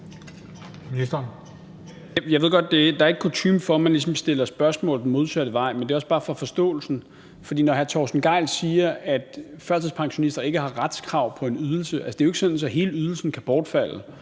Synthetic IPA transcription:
minisd̥ɐn | jɑ̈ʋe̝ɡ̥ɒ̽d̥̚ːe̝d̥ɑ̈ɐe̝ɡ̥̚kʰot͡sʰymfɒ̽mænlisɒ̽msd̥e̝lɐsb̥ɶɐsmɔ̰ːl̥mo̝ð̞ˠsæɾ̥əʋɑ̈ɪ̰mend̥e̝ɒ̽səb̥ɑ̈ːfʁɑfɒ̽sd̥ɔ̰ːl̩sn̩ | fɒ̽d̥ḭːnɒɦæɐt͡sʰɒːsn̩ɡ̥ɑ̈ɪ̰lsiːɐæd̥fɶɐsʰeð̩ˠspʰɑ̈ŋɕo̝nisd̥ɐe̝ɡ̥əɦɑ̈ʁad̥skʰʁɑ̈ʊ̰pʰɒ̽e̝nyð̞ˠl̩səʔælsə̥d̥e̝oe̝ɡə̥sɔ̽nnsɒ̽ɦe̝ːləyð̞ˠl̩sn̩kʰæb̥ɒːd̥fæl̰ə

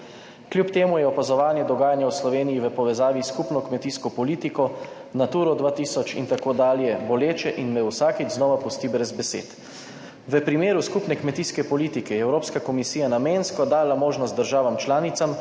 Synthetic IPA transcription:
klʲjupt̪eːmujɛɔpazɔʋaːnjɛd̪ɔɡaːjanjawslɔʋeːnijiʋəpɔʋɛzaːʋiskupnɔkmɛt̪iːskɔpɔliːt̪ikɔ | nat̪uːɾɔd̪ʋaːt̪iːsɔt͡ʃint̪akoːd̪aːljɛbɔleːt͡ʃɛʔinʋɛwsaːkiznɔːʋapɔst̪ibɾɛzbɛsḛːt̪ | ʋəpɾimeːɾuskupnɛkmɛt̪iskɛpɔliːt̪ikɛjɛɛwɾoːpskakɔmisiːjanameːnskɔd̪aːlamoːʒnɔst̪d̪əɾʒaːʋamt͡ʃlaːnit̪sam

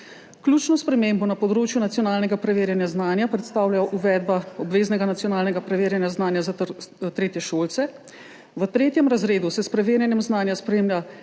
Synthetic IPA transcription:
klʲuːt͡ʃnɔspɾɛmeːmbɔnapɔd̪ɾoːt͡ʃjunat̪sjɔnaːlnɛɡapɾɛʋeːɾjanjaznaːnjapɾɛt̪st̪aːwlajɔʔuʋɛːd̪̚baɔbʋeːznɛɡanat̪sjɔnaːlnɛɡapɾɛʋeːɾjanjaznaːnjazat̪ɾeːt̪jɛʃoːlt̪sɛ | ʋət̪ɾeːt̪jɛmɾazɾeːd̪usɛspɾɛʋeːɾjɛnjɛmznaːnjaspɾeːmlʲja

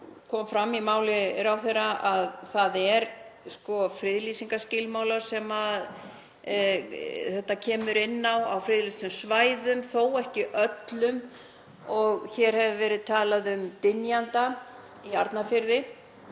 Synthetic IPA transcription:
kʰɔmfɾamːimaːwlɪɾawθejrːaʔaðθaðɛɾskɔfɾɪðlisiŋkascɪlmaːwlaɾ̥sɛmað | θɛht̪ːacʰɛːmʏɾɪnːawa̰wfɾɪðlisʏmsvaːjðʏmθowɛhcɪʔœt̪lʏm | ɔɣçɛɾ̥hɛvɪvɛːɾɪðt̪ʰaːlaðʏmt̪ɪnjant̪a | iaɾt̪nafɪɾðɪ

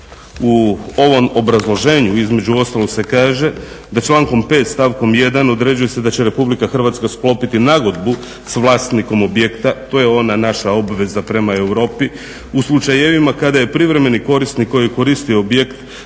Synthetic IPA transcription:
uo̞ʋo̞mo̞bɾazlˠo̞ʒe̞ːɲuizme̞d͡ʒuo̞st̪alˠose̞kaːʒe̞d̪at͡ʃlaːŋko̞mpe̞t̪st̪aːʋko̞mje̞d̪ano̞d̪ɾe̞d͡ʑuje̞se̞d̪at͡ɕe̞ɾe̞publikaxr̩ʋat̪skasplˠo̞pit̪inaɡo̞d̪bu | sʋlˠaːst̪niko̞mo̞bje̞kt̪at̪o̞ːje̞o̞nanaʃao̞bʋe̞zapɾe̞mae̞wɾo̞ːpi | uslˠut͡ʃajeʋimakad̪aje̞pɾiʋɾe̞me̞niko̞ɾist̪niko̞jiko̞ɾist̪ioobjekt̪

